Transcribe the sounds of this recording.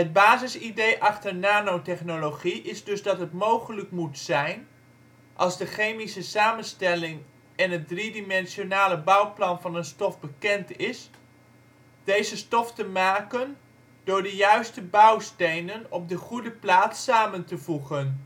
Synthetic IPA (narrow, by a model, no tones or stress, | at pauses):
ɦəd̚baːzɪsidejʔɑχtəɹnaːnowtɛχnoloχiʔɪzdɵzdɑtɦətmowχələkmutsɛjn | ʔɑlˠzdəχejmisəsaːmənstɛlɪŋ | ɛnɦət̚dridimɛnsjonaːləbʌwplɑnvɑnənstɔfbəkɛntɪs | d̥ejzəstɔftəmaːkən | dʊːɹdəjœɥstəbɑwstejnənɔp̚dəχudəplaːt͡ssaːməntəvuχən